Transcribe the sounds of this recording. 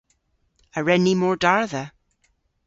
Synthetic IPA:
əɹɛnimɔːɹdaɹðə

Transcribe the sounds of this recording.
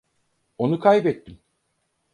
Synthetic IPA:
o̞nukʰajbɛt̪ːim

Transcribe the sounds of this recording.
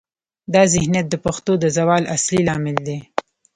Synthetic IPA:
d̪ɑzɪhnjat̪̚d̪əpaxt̪od̪əzawɑlʔaslilɑmɪld̪e

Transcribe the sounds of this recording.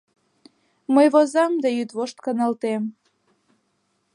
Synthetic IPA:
məjβozɑmd̪ejyt̪βoʃt̪kɑnɑlt̪em

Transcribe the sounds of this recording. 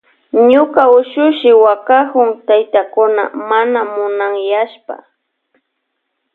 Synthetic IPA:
ɲʊkaʊʃʊʃɪwakahʊŋt̪ajt̪akʊna̰manamʊnaŋjaʃpa̰

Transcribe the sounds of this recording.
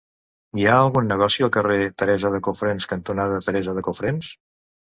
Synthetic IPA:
iaəlˠɣunːəɣ̞ɔsiəlˠkəret̪əɾɛzəðəkofɾenskənt̪unaðət̪əɾɛzəðəkufɾens

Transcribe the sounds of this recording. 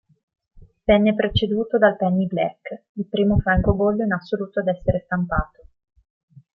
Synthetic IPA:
vɛnːepɾet͡ʃed̪uːt̪od̪alpɛnːiblɛ̰kː | ilpɾiːmofɾaŋkobolːoinasːoluːt̪oad̪ɛsːeɾest̪ampaːt̪o̥

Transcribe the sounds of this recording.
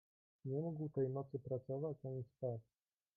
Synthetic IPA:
ɲɛmuɡwt̪ɛjnɔt̪sɘpɾat̪sɔvat͡ɕaɲispat̪

